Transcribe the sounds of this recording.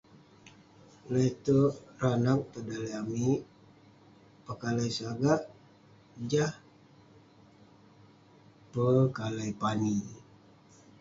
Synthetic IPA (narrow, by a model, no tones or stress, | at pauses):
lat̪əranak̚t̪ədaliami | pəkalajsaɡaʔ | d͡ʒah | pəkalajpani